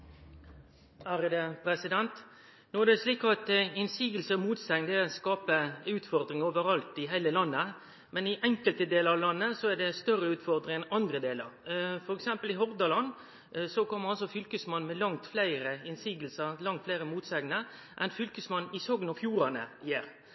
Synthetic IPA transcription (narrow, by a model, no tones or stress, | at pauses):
hæɾəd̪ɛpɾɛsɪd̪ɛnt̪ | nɔd̪ɛæʂliːkɑt̪ɪnsiːɡəlsəɔmuːt̪sɛŋnd̪ɛskɑːpəʉːt̪fɔɾd̪ɾɪŋoːʋəɾɑlt̪ɪɦæɪləlɑnːə | mɛnɪʔɛŋkəlt̪əd̪eːləɾɑʋlɑnːəsɔæɖɛst̪œrəʉːt̪fɔɾd̪ɾɪŋɛnɑnd̪ɾəd̪eːlə̰ɾfɔɾɛksɛmpəlɪɦɔɾd̪ɑlɑnː | sɔkʰɔmːəɾɑlsɔfʏlkəsmɑnːmɛlɑŋt̪flæɪɾəɪnsiːɡəlsəɾlɑŋt̪flæɪɾəmuːt̪sɛŋnə | ʔɛnfʏlkəsmɑnːɪsɔɡənɔfjuːɾɑnəɪjæːɾ